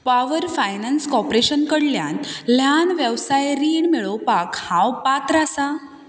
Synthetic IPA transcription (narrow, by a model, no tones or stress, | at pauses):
paʋəɾfajnanskɔpɾeɕənkəɽlja̰nl̤janʋjəʋsajɾiːɳmiɭopakhãwpat̪ɾasa